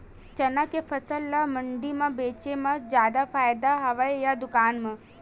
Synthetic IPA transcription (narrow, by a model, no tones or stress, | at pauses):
t͡ʃɐnakepʰɐsəlːamɐ̃ɳɖimãbeːt͡ʃemãzjaːd̪afʰaːjd̪aɦɐʋaejad̪ʊkaːnmã